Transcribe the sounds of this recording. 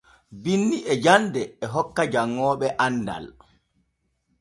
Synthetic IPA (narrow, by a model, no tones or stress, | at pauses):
binːiʔɛd͡ʒandɛːɦɔkːad͡ʒaŋːɔːɓɛʔanda̰l